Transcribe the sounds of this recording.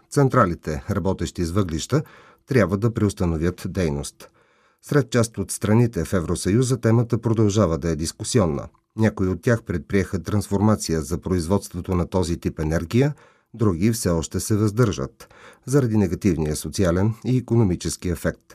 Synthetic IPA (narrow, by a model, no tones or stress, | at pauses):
t̪sɛnt̪ɾalit̪ɛɾɐbɔt̪ɛʃt̪izvɤɡliʃt̪ə | t̪ɾʲjabvəd̪ɐpɾɛost̪ənovʲjət̪d̪ɛjnost̪ | sɾɛt̪̚t͡ʃast̪ot̪st̪ɾɐnit̪ɛfɛvɾosɐjuzət̪ɛmət̪əpɾod̪ɐlˠʒavəd̪ɐɛd̪iskusiɔnːə̰ | nʲakoiot̪ːʲaxpɾɛt̪̚pɾiɛxət̪ɾɐnsfoɾmat̪sijəzɐpɾoizvɔt̪st̪vot̪onɐt̪ɔzit̪ipɛnɛɾɡʲijə | d̪ɾuɡʲifsɛɔʃt̪ɛsɛvɐzd̪ɤɾʒə̰t̪zɐɾɐd̪inɛɡɐt̪ivnijəsot̪sialɛniːkonomit͡ʃɛskiɛfɛk̚t̪